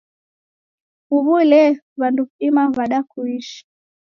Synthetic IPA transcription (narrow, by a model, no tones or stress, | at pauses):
uβulɛ | βanduimaβaɗakuiʃi̥